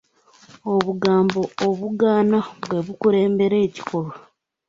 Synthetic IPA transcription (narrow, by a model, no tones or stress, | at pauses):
oβuɡaːmbo̞ːβuɡaːnaβwe̞βukuɾe̞ːmbe̞ɾe̞ːci̥kʰo̞lo